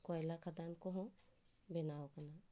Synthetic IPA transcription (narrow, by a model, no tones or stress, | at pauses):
kɔːjlakʰad̪ankoɦõ | benaːokɐna